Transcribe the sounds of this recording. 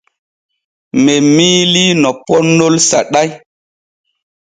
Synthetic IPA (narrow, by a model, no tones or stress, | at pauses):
memiːlinɔpɔnolsaɗaj